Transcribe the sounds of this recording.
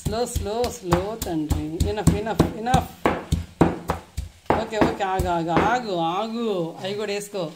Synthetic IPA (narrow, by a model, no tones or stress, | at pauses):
sloːsloːsloːt̪ɐɳɖɾiinɐfinɐpʰinɐpʰ | oːkeoːkeaːɡaːɡɐaːɡuaːɡuɐjɡoːɽeːsko